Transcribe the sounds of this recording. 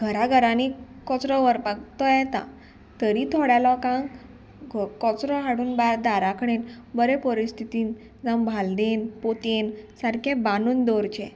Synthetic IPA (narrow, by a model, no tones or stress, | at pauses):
ɡʱəɾaɡʱəɾãni | kɔt͡sɾɔʋəɾpak̚t̪ɔjɛt̪ã̰ | t̪əɾit̪ʰɔɽjalɔkãŋɡ | ɡkɔt͡sɾɔɦaɽuːnbaɾd̪aɾakʰɳenbəɾepəɾist̪ʰit̪iːn | d͡zambʱald̪enpot̪ensaɾkʰẽbanuːnd̪ɔɾt͡ɕɛ̃